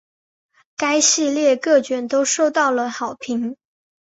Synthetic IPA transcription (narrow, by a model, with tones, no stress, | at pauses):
ka˥ɪɕi˥˧ljɛ˥˧kɤ˥˩t͡ɕɥɛ˨˩nt̪o˥ʊʂo˥˧ʊt̪ɑ˥˩ʊlə˩xɑ˨˩ʊpʰi˧˥ŋ